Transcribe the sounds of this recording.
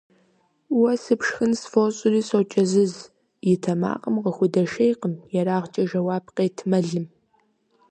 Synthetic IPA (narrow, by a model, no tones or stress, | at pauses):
wɐsɨpʂxɨnsfoɕʼʊriːsowt͡ʃʼɐzɨz | jɪtʰɐma̰ːqʼəmqəxʷʊdɐʃejqəmjɛraːʁt͡ʃʼɐʒɐwaːb̚qeːtʰmɐɮɨm